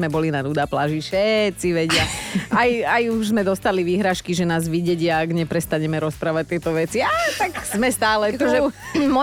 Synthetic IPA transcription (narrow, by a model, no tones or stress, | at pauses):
mɛbɔlinad̪ud̪aːplaːʒifʃɛtt͡siʋɛɟɪaʔajajuʒzmɛd̪ɔst̪aliʋiːɦɾaːʃkiʒɛnaːzʋiɟɛɟɪaːɡɲɛpɾɛst̪aɲɛmɛɾɔspɾaːʋac̚t̪ɪɛt̪ɔʋɛt͡siat̪akz̥mɛst̪aːlɛɔʒɛmɔ